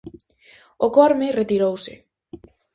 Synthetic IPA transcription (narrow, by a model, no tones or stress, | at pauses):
okɔɾmɪret̪iɾowsɪ̰